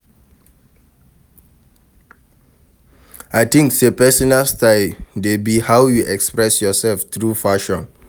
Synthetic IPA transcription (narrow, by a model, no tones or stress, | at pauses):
ajt̪ĩŋksepɛsɔnalstaɪldebihawjuʔɛkspɹɛsjɔsɛlft̪ɹufaʃɔ̃n